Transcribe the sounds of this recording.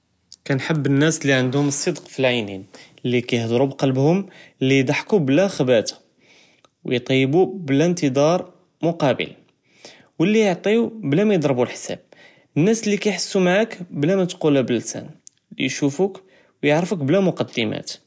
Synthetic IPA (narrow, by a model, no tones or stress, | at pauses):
kænħəbːənːæslːiʕənd̪hʊməsˤːəd̪qfilʕajnin | lːikæjəhd̪ˤɾubqɑlbhʊmlːijd̪ˤɑħkublæxəbæt̪ḁ | wjt̪ˤɑjːbublænt̪əd̪ɑɾˤ | mʊqɑbə̰l | wəlːijəʕt̪ˤiublæmæjəd̪ˤɾˤbulħsæ̰b̥̚ | nːæslːikæjħasːumaʕakblæmæt̪qulæbəlːsæ̰n | lḭjʃufuk | wjəʕɾfəkblæmʊqɑd̪ːəmæ̰t̪